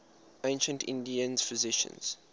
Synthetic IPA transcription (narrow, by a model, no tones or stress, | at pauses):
ʔẽɪ̃nʃə̃ntʰɪ̰̃ndiə̃nz̥fɪzɪʃə̰̃nz̥